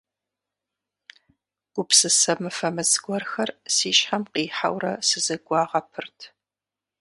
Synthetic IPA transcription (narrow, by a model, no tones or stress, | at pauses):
ɡ̥ʷʊpsɨsɐmɨfɐmɨzɡʷɔrxɐrsiːʃħamqiːħa̰wrɐ̰sɨzɐɡʷɑːʁɐpʰɨrtʰ